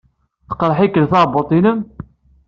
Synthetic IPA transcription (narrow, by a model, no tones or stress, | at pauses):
θə̥qɾˤħikːəlθɑʕbot̪ˤinəm